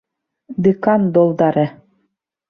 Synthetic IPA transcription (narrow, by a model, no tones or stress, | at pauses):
d̪ekɑnd̪olˠd̪ɑɾĕ